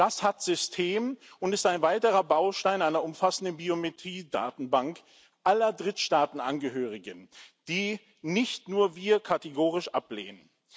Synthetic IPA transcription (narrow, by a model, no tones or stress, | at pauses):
d̥ashatz̥ʏstʰeːmʊntɪstaɪnvaɪtəʁɐbaʊʃtaɪnaɪnɐʊmfasn̩dənbiometʁ̥iːda̰ːtn̩baŋk | ʔalɐdʁɪtʃtaːtn̩ʔanɡəɦøːʁɪɡənd̥iː | nɪçtnuːɐviːɐkʰateɡoːʁɪʃʔaplḛːnən